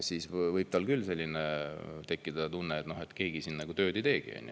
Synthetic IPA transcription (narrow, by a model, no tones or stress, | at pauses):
siːsvɤjb̥̚t̪ɑlkylːse̞lʲːinet̪e̞kːid̪̥ɑt̪unːeːt̪no̞ɦe̞t̪ke̞ːɡ̥isinːnæɡ̥ut̪ø̞ːd̪ejt̪e̞ːɡ̥ḭɑ̰nju